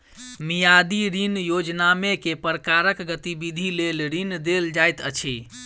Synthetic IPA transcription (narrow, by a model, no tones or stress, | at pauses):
mijad̪iɾinjod͡ʒnamekepɾəkaɾəkɡət̪ibid̪ʱilelɾind̪eld͡ʒajt̪ət͡ʃʰi